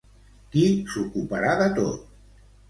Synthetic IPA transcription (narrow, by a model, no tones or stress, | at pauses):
kisukupaɾaðət̪o̰t̪̚